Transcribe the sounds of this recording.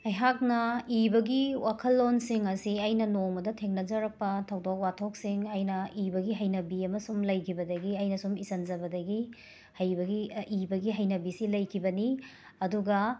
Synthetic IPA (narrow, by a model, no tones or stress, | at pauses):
ɐjɦak̚nɐibɐɡiwakʰɐlːonsiŋɐsiɐjnɐnoŋmɐdɐtʰeŋnɐd͡ʒɐɾɐk̚pɐtʰɐwdok̚watʰok̚siŋɐjnɐibɐɡiɦɐjnɐbiɐmɐsumlɐjkʰibɐdɐɡiɐjnɐsumisɐnzɐbɐdɐɡi | hɐjbɐɡiibɐɡiɦɐjnɐbisilɐjkʰibɐni | ɐduɡɐ